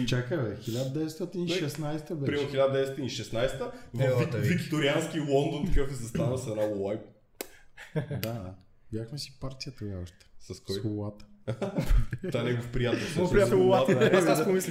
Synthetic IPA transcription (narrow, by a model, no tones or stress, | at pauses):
t͡ʃakəvɛxilʲad̪d̪ɛɛst̪ɔt̪iniʃɛsnajst̪əbɛpɾioxilad̪əd̪ɛɛsɔt̪iniʃɛsnajst̪əvikviɡit̪oɾianskilˠɔnd̪ont̪ɐkafɛsɐst̪anəsɛnaajp | d̪a | bjaxmɛsi̥paɾt̪ʲijət̪ɐɡaɔʃt̪ɛ̥sɐskɔjovat̪ə̥ | aɛnɛɡofpɾijat̪ɛlsɔspɾjat̪ɛvaat̪aasomis